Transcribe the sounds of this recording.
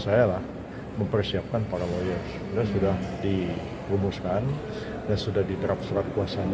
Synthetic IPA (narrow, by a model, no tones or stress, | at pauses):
sajalah | məmpərsiap̚kanpaɾalojɔrs | dasudahdi | ɾumuskan | dansudahdid̪əɾap̚səɾat̪̚kuasaɲ